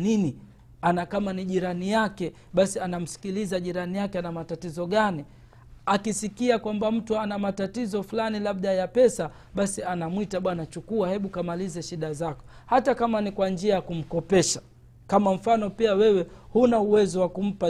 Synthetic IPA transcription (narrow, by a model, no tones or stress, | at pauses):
nini | anakamaniʄiɾanijakɛ | ɓasianam̩si̥kilizaʄiɾanijakɛanamatatizɔɠani | akisikiakwambam̩tuanamatatizɔfulanilaɓɗajapɛsa | ɓasianamwitaɓwanat͡ʃukuahɛɓukamalizɛʃiɗazakɔ̥ | hatakamanikwand͡ʒiajakum̩kɔpɛʃḁ | kamam̩fanɔpiawɛwɛhunauwɛzɔwakum̩pa